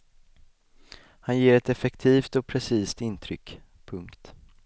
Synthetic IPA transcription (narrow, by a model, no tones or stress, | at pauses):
hanjeːɾɛt̪ɛfɛkt̪ʰiːft̪ɔpʰɾɛsiːst̪ɪnt̪ʰɾʏkː | pʰɵŋkt̪